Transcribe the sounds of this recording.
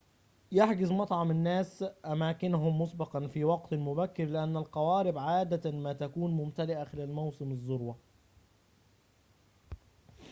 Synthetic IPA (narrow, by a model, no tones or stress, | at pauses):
jaħɡɪzmɑt̪ˤʕɑmɪnːæːsʔæmæːkɪnʊɦʊmːʊsˤbɑqɑnfiːwɑq̚t̪mʊbækːɪɾlɪʔanːælqɑwaːɾɪbʕaːd̪amaːt̪ækuːnmʊmt̪ælɪʔaxɪlæːlmawsɪmɪzˤːʊɾwɑ